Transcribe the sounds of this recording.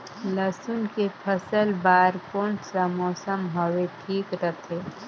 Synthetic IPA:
ləsʊnkepʰəsəlbaːɾkoːɳʈsamɔːsəmɦoweʈʰiːkɾət̪ʰeː

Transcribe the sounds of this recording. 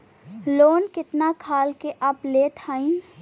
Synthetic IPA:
loːnkɪt̪nakʰaːlkeʔɐplet̪ʰaːĩ

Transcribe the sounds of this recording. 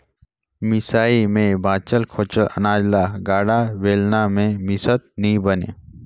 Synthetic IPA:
mɪsaːimẽbãːt͡ʃəlkʰoːt͡ʃələ̰naːd͡ʒlaːɡaːɽaʋeːlnamẽmɪsət̪̚nĩbənḛː

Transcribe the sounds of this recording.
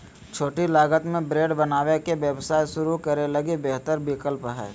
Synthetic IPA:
t͡ʃʰoːʈilaːɡət̪mẽbɾeːɖbənaːwekebjəbsaːisʊɾukəɾeləɡibeɦt̪əɾbɪkəlpɦɛ̰ː

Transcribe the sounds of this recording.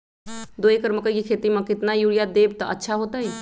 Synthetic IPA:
d̪oekəɾməkəikikʰet̪imãkɪt̪najuɽijad̪eb̚t̪ɔətːʃʰaɦot̪əj

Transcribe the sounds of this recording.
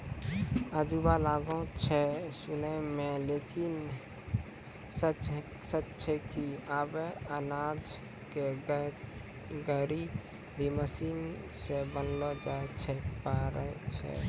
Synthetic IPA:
əd͡ʒubalaɡõt͡ʃʰɛsunəmẽlekin | sət͡ʃ | sət͡ʃt͡ʃʰɛkiabeənad͡ʒ | ke | ɡəɾi | bʱiməsin | sebənlɔd͡ʒaet͡ʃʰɛpaɾəɦɛt͡ʃʰɛ̰

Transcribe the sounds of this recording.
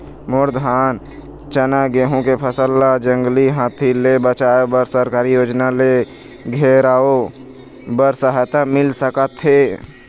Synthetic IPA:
mʊɾd̪ʱaːn | t͡ʃənaɡeːɦõkepʰəsəlːad͡ʒə̃ŋɡliɦãːt̪ʰilebət͡ʃaːjobəɾsəɾkaːɾijoːd͡ʒnale | ɡʱeɾaːo | bəɾsəɦat̪amɪlsəkət̪ɦe

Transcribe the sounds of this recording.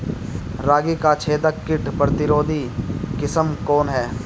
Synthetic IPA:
ɾaːɡikat͡ʃʰeːd̪əkkːɪʈpɾət̪ɪɾoːd̪ʱikɪsəmkɔːnɦɛː

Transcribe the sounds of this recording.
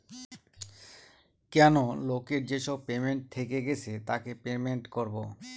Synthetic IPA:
kɛnolokeɾd͡ʑeʃɔb̚pemeɳʈ̚t̪ʰekeɡet͡ɕʰet̪akepemeɳʈkoɾbo

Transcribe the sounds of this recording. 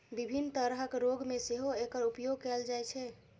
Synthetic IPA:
bibʱinːt̪əɾɦəkɾoɡmeseɦoekəɾupjoɡ̚keld͡ʒajt͡ʃʰɛ

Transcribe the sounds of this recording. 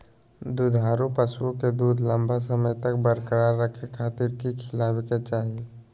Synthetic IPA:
d̪ud̪ʱaːɾupəsuõked̪uːd̪ʱlə̃mbʱasəməjt̪ək̚bəɾkəɾaːɾːəkʰekʰaːt̪iɾkikʰɪlaːweket͡ʃaːɦi

